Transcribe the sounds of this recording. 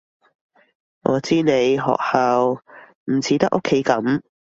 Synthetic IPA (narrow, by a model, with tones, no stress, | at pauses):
ŋʔɔ̰ː˨˧t͡siː˥ne˨˧jɦɔ̰ː˨k̚hɐ˨w | m̩˨˩t͡sʰiː˨˥t̪ɐ˥k̚ʔo˥kʰːe˨˥jkɐ˨˥m